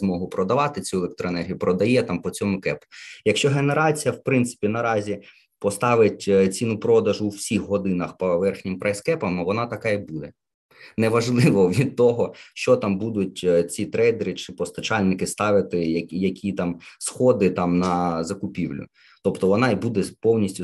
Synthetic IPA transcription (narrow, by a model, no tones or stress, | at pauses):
zmɔɦʊpɾɔd̪ɐʋɑt̪ɪt͡sʲuɛlˠek̚t̪ɾɔenɛrɦʲijupɾɔd̪ɐjɛt̪ɑmpɔt͡sʲɔmʊkɛpʊ̥jɐkʃt͡ʃɔɦe̞neɾɑt͡sʲijɐwpɾɪnt̪sɪ̥pʲinɐɾɑzʲi | pɔst̪ɑʋɪtʲt͡sʲinʊpɾɔd̪ɐʒʊuwsʲixɦɔd̪ɪnɐxpɔʋɛrxnʲɪmpɾɛjskɛpɐmʋɔnɑt̪ɐkɑibud̪ɛ | nɛʋɐʒlˠɪʋɔʋʲid̪̚t̪ːɔɦɔʃt͡ʃɔt̪ɑmbud̪ʊt̚ʲt͡sʲit̪ɾɛjd̪eɾɪt͡ʃɪpɔst̪ɐt͡ʃɑlʲnɪkɪst̪ɑʋɪt̪ɪjɐjɐkʲʰit̪ɑmsxɔd̪ɪt̪ɑmnɐzɐkʊpʲiwlʲʊ̰ | t̪ɔpt̪ɔʋɔnɑibud̪ɛpɔwnʲisʲtʲʊ